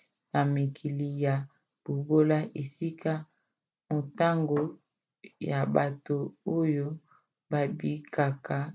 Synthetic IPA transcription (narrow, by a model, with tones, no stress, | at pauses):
na˨mi˨kʰi˨li˨ja˨ | b̥u˨ɡo˦la˦ʔe˨si˦ka˦ | mo˨ta˦ŋɡo˨ | ja˨ba˨to˨o˦jo˦ | ba˨bi˨ka˨ka˨